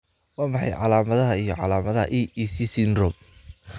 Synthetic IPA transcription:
waːmɑħɑ̰jʕɑ̰laːmɐðɐɦɐijɞʕɑ̰laːmɐðɐhɐ̰ʔiːisisɪnrɔm

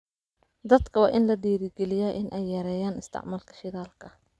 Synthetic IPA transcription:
d̪ɐd̪kʰɐwɑːʔɪnlɐd̪iːɾɪɡɛlɪjɐːʔɪnʔɛjːɐɾɛːjaːnɪst̪ʰɪ̰ʕmaːlkʰɐ̥ʃɪðaːlkʰɐ

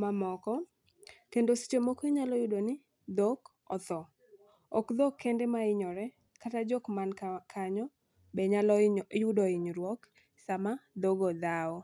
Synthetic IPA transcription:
mamɔkɔ | kendosi̥t͡ʃomokoiɲalɔjʊdonɪ | d̪ok | ɔ̰t̪ɔ | ɔkd̪okʰːɛndɛmaɪɲɔɾɛ | katad͡ʒɔkmankʰaɲɔ | bɛɲalɔjʊdɔɪɲɾwɔk | samad̪oɡod̪aɔ

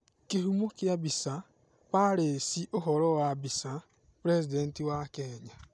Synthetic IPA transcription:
kiɦumokjabisa | paɾesiʔoɦɔɾɔwabisa | pɾesidentiwakeɲa

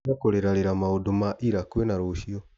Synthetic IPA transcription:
akoɾeɾaɾeɾamaodomaʔiɾakwenaɾoʃiɔ

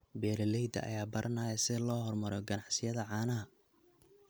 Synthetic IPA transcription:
bɛːɾɛlɛjd̪ɐ̰ʔɐ̰jaːbɐɾʔɐnaːjɐsɪlɔːɦɔrmɐɾɔɡɐnɑʕsɪjɐðɐʕɑːnɐɦɐ

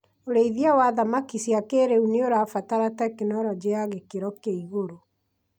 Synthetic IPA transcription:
oɾeiðiawaðamakisiakeɾeuneoɾafataɾatɛkenɔɾɔd͡ʑeaɣekeɾɔkeiɣoɾo

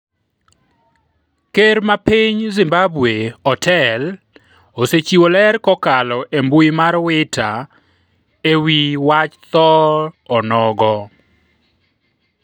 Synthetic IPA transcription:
keɾmapiɲzɪmbabweɔtʰɛl | oset͡ʃiwolɛɾkɔkalɔʔembuimaɾwɪtʰa | ewiwat͡ʃt̪ɔɔnɔɡɔ

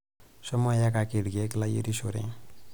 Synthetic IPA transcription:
sʌmɔjakakeɽɡeklajḛɾisoɾḛ̃

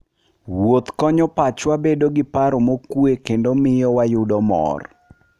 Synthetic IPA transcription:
wot̪kɔɲɔpat͡ʃwabedoɡɪpaɾomokuekendomɪjɔwajʊdɔmɔ̰r

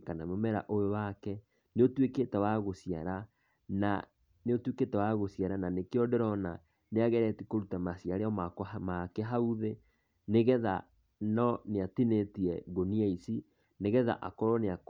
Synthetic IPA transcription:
kanamomɛɾa̰ʔoewakɛ | neotweketawaɣosiaɾa | na̰ | neotweketawaɣosjaɾananekeɔdɛɾɔna | neaɣɛɾɛtikoɾutamasiaɾeɔmakɔmakɛɦauðe | neɣɛða̰ | nɔneatinetiɛɣoniaisi | neɣɛða̰ʔakɔɾɔneak

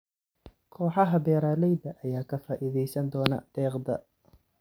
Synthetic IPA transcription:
kʰɔːħɑɦɐbɛːɾaːlɛjd̪ɐʔɐjaːkʰɐfaːʔiðɛjsɐnd̪ɔːnɐ̰d̪̥ɛːqd̪ɐ̰

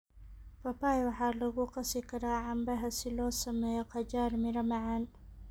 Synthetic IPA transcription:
pɐpaːjwɑħaːlɐɣʊqɑsɪkʰɐɾaːʕambɐɦɐsɪlɔːsɐmɛːjɔqɑd͡ʒaːɾmɪɾɐmaʕan

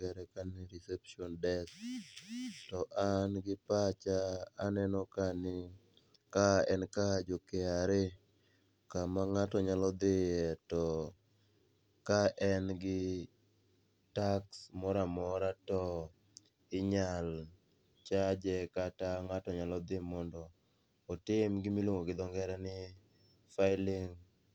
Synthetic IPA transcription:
kɛɾɛkanɪɾɛsɛpʃɔndɛs | tɔʔanɡɪpat͡ʃaanɛnɔkanɪ | kaɛnkad͡ʒokeaɾe | kamaŋatɔɲalɔd̪ɪɛtɔ | kaʔɛnɡɪ | taksmɔɾamɔɾatɔ | ɪɲal | t͡ʃad͡ʒɛkataŋatɔɲalɔd̪ɪmɔndɔː | tɪmɡɪmilwoŋoɡɪd̪ɔŋɡɛɾɛnɪ | faɪlɪŋ

